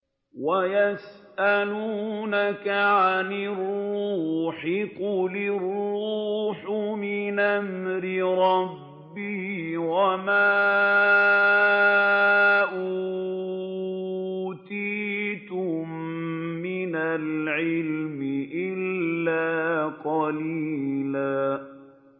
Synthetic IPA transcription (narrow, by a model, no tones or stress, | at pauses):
wajasʔaluːnakaʕanɪrːuħɪqʊlɪruːħʊmɪnʔamɾɪɾˤɑbː | ɪhwama | ʔu | t̪iːt̪ʊmː | ɪnalʕɪlmɪʔɪlːaːqɑliːlaː